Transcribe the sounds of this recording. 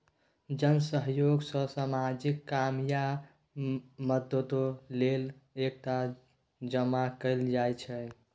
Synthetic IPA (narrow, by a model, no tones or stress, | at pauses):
d͡ʒənsəɦjoɡsəsamad͡ʒikːamja | məd̪ət̪olelek̚ʈa | d͡ʒəmakəɪld͡ʒajt͡ʃʰɛ